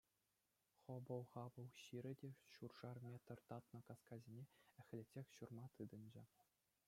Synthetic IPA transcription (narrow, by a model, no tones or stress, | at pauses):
χŏbɤ̆lˠʁɑbɤlˠɕiɾʲɘ̆dʲeɕurʐɑrmʲet̪ɤ̆rt̪ɑt̪nɤ̆kɑskɑzʲinʲeɘ̆xʲlʲetʲːexʲɕurmɑt̪ɯd̪ɤ̆nʲd͡ʑɘ̆